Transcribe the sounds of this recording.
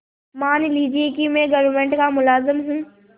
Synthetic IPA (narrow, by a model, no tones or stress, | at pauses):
maːnliːd͡ʒiekimɛ̃ɡɐʋɾmẽːɳʈkamʊlaːzɪmɦũː